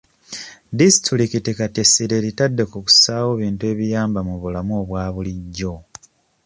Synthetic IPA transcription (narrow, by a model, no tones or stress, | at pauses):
disituɾikitikatesiɾe̞ɾitadːe̞kuku̥saːwo̞βiːntue̞ːβijaːmbamuβulamuo̞βwaːβuliɟːo̞